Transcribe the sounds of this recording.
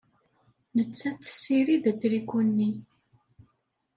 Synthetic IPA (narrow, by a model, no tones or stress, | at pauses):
nət͡sːæθə̥sːiɾiðæd̪ɾikʷunːi